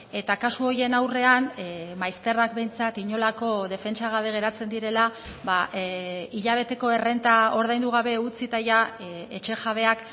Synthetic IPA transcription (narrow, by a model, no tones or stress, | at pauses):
e̞t̪akasuo̞je̞nawre̞anmajst̪e̞rakbe̞jnt͡sat̪iɲo̞lako̞ðe̞fe̞nt͡ʃaɣ̞aβe̞ɣ̞e̞ɾat͡se̞nd̪iɾe̞laβa | iʎaβ̞e̞t̪e̞ko̞e̞re̞nt̪ao̞ɾð̞ajnd̪uɣ̞aβe̞ut͡sit̪ajae̞t͡ʃe̞ʝaβ̞e̞ak